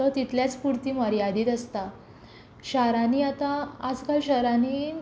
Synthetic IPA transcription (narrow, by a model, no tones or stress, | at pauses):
ət̪it̪ljat͡spuɽt̪iːməɾijad̪iːt̪əst̪a | ɕaɾaniːat̪aad͡zkalɕəɾaniː